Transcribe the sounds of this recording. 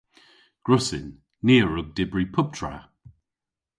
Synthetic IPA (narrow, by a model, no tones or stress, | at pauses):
ɡ̥ɹʊsɪ̰nː | iːəɹʊɡ̚dɪbɹipʰʊb̥̚tʰɹa̰